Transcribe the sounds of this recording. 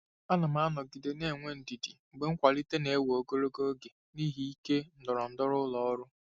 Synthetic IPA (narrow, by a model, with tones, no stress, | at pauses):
a˦na˨ma˦nɔ˨ɡi˨de˨ne˦˨ŋʷe˦n̩˨di˨di˨ɡ͡be˨ŋ̩˦kʷa˨li˦te˦ne˨e˦wo˨ɡo˦ɾo˦ɡo˦ɡe˨ | ni˦ɦi˦i˦ke˦n̩˨dɔ˨ɾɔ˨n̩˨˦dɔ˦ɾʊ˦lɔ˨ɔ˦ɾʊ˦